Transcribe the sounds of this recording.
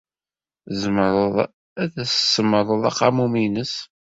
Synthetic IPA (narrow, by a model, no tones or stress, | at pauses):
zəmɾð | æðæssəməɾˤəðˤɑ̰qːɑmuminəs